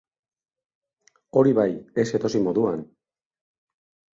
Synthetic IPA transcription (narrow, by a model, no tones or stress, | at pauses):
o̞ɾiβaje̞se̞t̪o̞simo̞ðuan